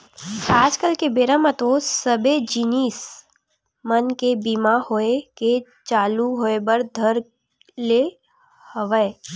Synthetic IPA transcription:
aːd͡ʒkəlkebeɾamət̪osəbed͡ʒinis | mənkebimahoeke | t͡ʃaːluɦoːebəɾd̪ʱəɾ | le | həʋəe

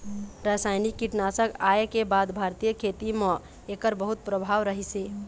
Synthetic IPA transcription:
ɾasajnikːiʈnasəkaekebad̪bʱaɾt̪ijəkʰet̪imə̃ | ekəɾbəɦut̪̚pɾəbʱaʋɾəɦise

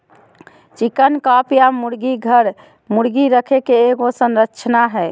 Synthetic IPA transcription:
t͡ʃikənkapjamuɾɡiɡʱəɾ | muɾɡiɾəkʰekeːɡosənɾəkt͡ʃʰnaɦɛ

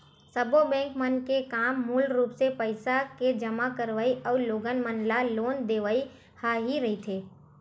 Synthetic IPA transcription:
səbobɛ̃ːŋkmənkekaːmːuːlɾuːpsepəɪsaked͡ʒəmakəɾʋaiʔɔːɾloːɡənmənlaloːnd̪eːʋəi | haɦiɾəɦit̪ʰeː

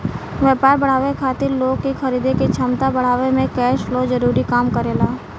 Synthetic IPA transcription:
ʋɛːpaːɾbɐɽ̤aːʋekʰaːt̪ɪɾloːɡkixɐɾiːd̪eket͡ʃʰəmt̪abɐɽ̤aːʋemẽkɛːʃloːzɐɾuːɾikaːmkɐɾeːlaː

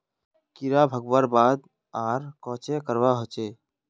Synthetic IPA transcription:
kiɾabʱəɡwəɾbaːd̪ | aːɾkɔ̃ːt͡ʃekəɾwaɦot͡ʃeː

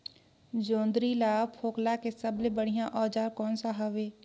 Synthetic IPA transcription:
d͡ʒõːnd̪ɾilaːpʰoːklakesɐblebəɽ̤ijãʔɔːd͡ʒaːɾkɔːnsaɦaʋeː

